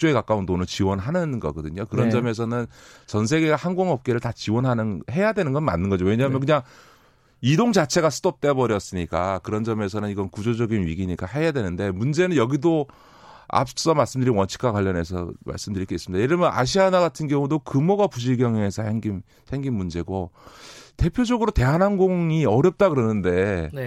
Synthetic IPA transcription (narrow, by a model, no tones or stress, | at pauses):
t͡ɕ͈oe̞kak͈aundonɯnt͡ɕiwʌnɦanɯnɡʌ̰ɡʌdɯɲokɯɾʌnd͡ʑʌme̞s̬ʰʌnɯnt͡ɕʌns̬ʰe̞ɡe̞ɡahaŋɡoŋʌp̚k͈e̞ɾɯɭtat͡ɕiwʌnɦanɯnhe̞jadwe̞nɯnɡʌnma̰nːɯnɡʌd͡ʑowe̞ɲaːmjʌnkɯɲaŋ | idoŋd͡ʑat͡ɕʰe̞ɡasʰɯdʌp̚t͈e̞bʌɾjʌs͈ɯɲik͈akɯɾʌnd͡ʑʌme̞s̬ʰʌnɯniɡʌnkud͡ʑod͡ʑʌɡinɥiɡiɲiɡaɦe̞jadwe̞nɯnde̞mund͡ʑe̞nɯnjʌɡido | a̰p̚s͈ʌmaɭs͈ɯmdɯɾinwʌnt͡ɕʰi̥kʰwakwaʎːʌne̞sʰʌ̰ma̰ɭs͈ɯmdɯɾik͈eis͈ɯmidaeɾɯɭmʌnʔa̰ɕ̬ʰianaɡatʰɯnɡjʌŋudokɯmoɡapuɕ̬ʰiɭɡjʌŋee̞sʰʌheŋɡim | sʰe̞ŋɡinmund͡ʑe̞ɡo | te̞pʰjod͡ʑʌɡɯɾote̞ɦanɦanɡoŋiʌɾjʌp̚t͈akɯɾʌnɯnde̞n